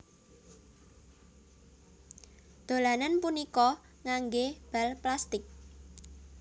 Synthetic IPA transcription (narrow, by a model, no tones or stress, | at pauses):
d̪̥o̤lananpunikɔ | ŋaŋɡeb̥a̤lplast̪ɪk̚